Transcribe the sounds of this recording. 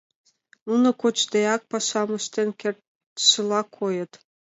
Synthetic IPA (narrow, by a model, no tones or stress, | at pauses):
nunŏkot͡ɕd̪eɑk̚pɑʃɑmə̆ʃt̪enkert̪ | ʃə̆lɑkʰojə̆t̪